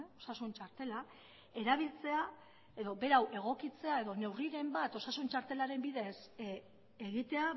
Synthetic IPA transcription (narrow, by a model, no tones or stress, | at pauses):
o̞sasunt͡ʃaɾt̪e̞la | e̞ɾaβ̞ilt͡se̞a | eðo̞be̞ɾawʔe̞ɣ̞o̞kit͡se̞ae̞ðo̞ne̞wriɾe̞mbat̪o̞sasunt͡ʃaɾt̪e̞laɾe̞mbiðe̞s | eɣit̪e̞a